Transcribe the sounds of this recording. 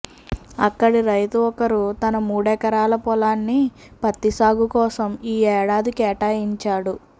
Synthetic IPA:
ɐ̰kːɐɽiɾɐjt̪uɔkɐɾut̪ɐnɐmuːɽɛːkɐɾaːlɐpɔlaːnːi | pɐt̪ːisaːɡukɔːsɐmiːɛːɽaːd̪ikɛːʈaːjiɲt͡ʃaːɽu

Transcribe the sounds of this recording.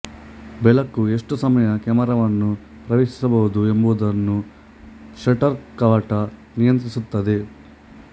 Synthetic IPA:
bɛlɐkːue̞ʂʈusɐmɐjɐkɛmɐɾɐʋɐnːu | pɾɐʋeːʂi̥sɐbɐɦud̪ue̞mbuʋud̪ɐnːu | ʃɐʈɐɾkaːʈɐ | nijɐnt̪ɾisut̪ːɐd̪e̞

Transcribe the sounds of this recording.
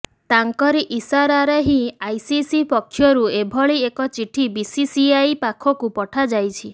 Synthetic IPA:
t̪aŋkɔɾiʔisaɾaɾeɦĩajsisipɔkʰːjɔɾuebʱɔɭiekɔt͡ʃiʈʰibisisiajpakʰɔkupɔʈʰad͡ʒajt͡ʃʰi

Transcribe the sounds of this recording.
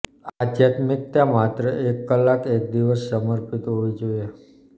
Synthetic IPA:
ad̪jat̪mik̚t̪jãmat̪ɾəʔekːəlːakek̚d̪iʋəsːəməɾpit̪ɦoid͡ʒoje

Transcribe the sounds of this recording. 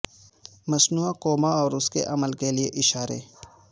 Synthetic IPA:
mɐsnuːakoːmaɔːɾʊskḛʔɐməlkelieʔɪʃaːɾḛː

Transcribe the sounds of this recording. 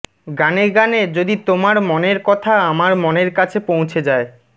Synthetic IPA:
ɡaneɡaned͡ʑod̪it̪omaɾmoneɾkɔt̪ʰaamaɾmoneɾkat͡ɕʰepõw̃t͡ɕʰed͡ʑae

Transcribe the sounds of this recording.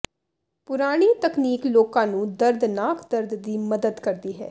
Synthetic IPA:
pʊɾaːɽ̃iːt̪əkniːkloːkãːnũːd̪əɾd̪naːkʰd̪əɾd̪ːiːməd̪əd̪kəɾd̪iːɦɛ̰ː

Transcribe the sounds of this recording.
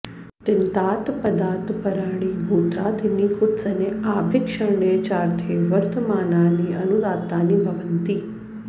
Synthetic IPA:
t̪ɪnt̪aːt̪pɐd̪aːt̪pɐɾaːɽiːbʱuːt̪ɾaːd̪iniːkʊt̪sɐneaːbʱɪkʂəɳɖeːt͡ʃaːɾt̪ʰeʋɐɾt̪əmaːnaːniːɐnuɾaːt̪aːniːbʱɐʋənt̪iː

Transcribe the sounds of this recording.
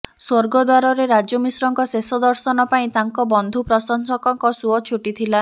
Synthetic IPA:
swoɾɡɔd̪waɾɔɾeɾad͡ʒɔmisɾɔŋkɔsesɔd̪ɔɾsɔnɔpaĩt̪aŋkɔbɔnd̪ʱupɾɔsɔnsɔkɔŋkɔsuɔt͡ʃʰuʈit̪ʰila

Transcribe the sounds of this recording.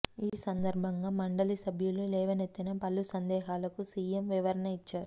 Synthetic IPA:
iːsɐnd̪ɐɾbʱɐŋɡaːmɐɳɖɐlisɐbʱjululɛːʋɐnet̪ːinɐpɐlːusɐnd̪ɛːɦaːlɐkusiːjemʋiʋɐɾɐnɐit͡ʃːaːɾu

